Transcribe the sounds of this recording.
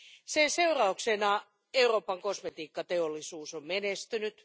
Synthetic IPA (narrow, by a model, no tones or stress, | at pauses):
sense̞urɑuksenɑ | e̞uro̞ːpɑŋko̞smet̪iːkːɑt̪e̞olːisuːsommenest̪ynyt̪